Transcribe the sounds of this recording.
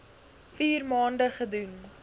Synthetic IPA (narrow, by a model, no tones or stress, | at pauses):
fiːrmɑːndəχədun